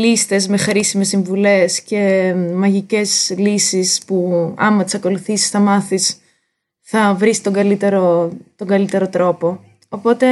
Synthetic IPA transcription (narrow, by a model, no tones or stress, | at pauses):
list̪e̞zme̞xɾisime̞sːiɱvule̞sce̞mɐʝice̞zlisispuɐ̰mɐt̪i̥sɐko̞luθisi̥sθɐmɐθis | θɐvɾisi̥t̪o̞ŋɡɐlit̪e̞ɾo̞t̪o̞ŋɡɐlit̪e̞ɾo̞t̪ɾo̞po̞ | opo̞t̪e̞